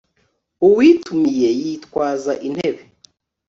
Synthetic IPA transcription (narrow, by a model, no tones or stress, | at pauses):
uwiːtʰumije̞jitwaːzaʔin̥heβe